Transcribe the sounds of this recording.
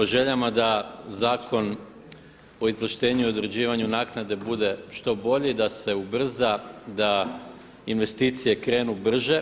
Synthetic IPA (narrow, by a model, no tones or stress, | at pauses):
oʒe̞ʎamad̪azaːkʰo̞n | o̞izʋrʃt̪e̞ːɲuio̞d̪ɾe̞d͡ʑiːʋaɲunaːknad̪e̞bud̪e̞ʃt̪o̞bo̞ʎed̪ase̞ubr̩zad̪a | inʋe̞st̪iːt̪sije̞kɾe̞ːnubr̩ʒe̞